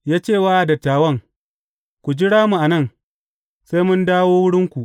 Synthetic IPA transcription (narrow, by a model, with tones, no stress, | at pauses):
jaː˦t͡ʃeː˦˨waː˦ʔa˨dɐ˨tːaː˨wɐ˦ŋ | kʷu˨d͡ʒɪ˦ɽaː˦mu˨ʔa˨nɐ˦˨ŋ | sa˦jmʊ˦ndaː˦woː˦wʊ˦ɽɪ˦ŋkʷu˨ʔ